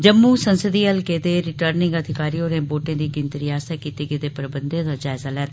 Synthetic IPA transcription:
d͡ʒəmːuːsənsəd̪iːəlkeːd̪eːɾɪʈəːɾnɪ̃ŋɡəd̪ʱɪkaːɾiːoːɾẽːboːʈẽːd̪iːɡɪ̃nt̪ɾɪaːst̪aːkiːt̪eːɡeːd̪eːpəɾəbənd̪jãːd̪aːd͡ʒaːɪzaːlɛːt̪

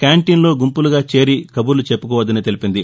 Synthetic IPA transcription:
kjaːɳʈiːnlo̞ːɡumpuluɡaːt͡ʃe̞ːɾikɐbuɾlut͡ʃepːukɔːʋɐd̪ɐnit̪elipind̪i

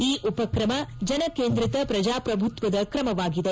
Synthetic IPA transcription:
iːʔupɐkɾɐmɐd͡ʒɐnɐkeːnd̪ɾit̪ɐpɾɐd͡ʒaːpɾɐbʱut̪ʋɐd̪ɐkɾɐmɐʋaːɡid̪e

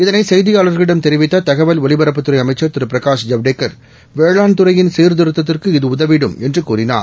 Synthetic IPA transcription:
ɪðɐnɐɪsɛjðɪjaːlɐɾɣɐɭɪɽɐmt̪ɛɾɪʋɪt̪ːɐt̪ɐɣɐʋɐlʋɔɭɪbɐɾɐp̬ːɯt̪ːɯɾɐɪɐmɐɪt͡ʃːɐɾt̪ɪɾɯpɾɐkaːʂd͡ʒɐʋɖeːkːɐɾ | ʋeːɭaːnt̪ɯɾɐjɪnsiːɾd̪ɪɾɯt̪ːɐt̪ːɪrkɯɪðɯʊðɐʋɪɽɯmɛndrɯkuːrɪna̰ːɾ

